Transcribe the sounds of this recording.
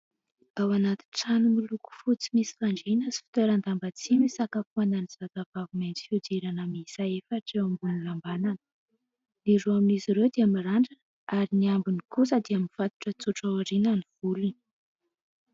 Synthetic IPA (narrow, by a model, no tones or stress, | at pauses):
awanat̪i̥ʈ͡ʂanumiluku̥fut͡si̥misi̥faɳɖ͡ʐenəsi̥fi̥t̪øɾand̪ambat͡simisakapuananiz̥azavaviment͡si̥fiud̪iɾanəmisaefəʈ͡ʂewambunilambananə̥ | niɾuaminiziɾewd̪eamiraɳɖ͡ʐə | aɾiniambunikusəd̪iaminv̥at̪u̥ʈ͡ʂət͡suʈ͡ʂawaɾinaniv̥ulini̥